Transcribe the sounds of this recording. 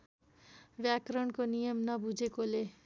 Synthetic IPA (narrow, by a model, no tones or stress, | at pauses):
bjakɾʌɳkonijʌmnʌbud͡zekole